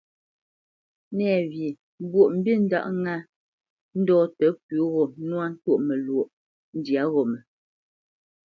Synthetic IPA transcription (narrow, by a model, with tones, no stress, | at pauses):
nɛː˨vi˨˦ | bwo˨ʔm̩˨˦bi˦˨n̩˦da̰˦˨ʔŋa˦ | n̩˦dɔː˦tə˨˦p̚ʉ˨˦ɣɔ˨nwa˦n̩˦to˦˨ʔmɛ˨lwo˨ʔ | n̩˦dja˨˦ɣɔ˨mɛ˨